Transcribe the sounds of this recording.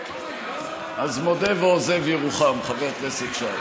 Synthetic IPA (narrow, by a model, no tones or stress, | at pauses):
ʔazmod̪eveozevjeʁuχamχaveʁt̪nesed̪ʃa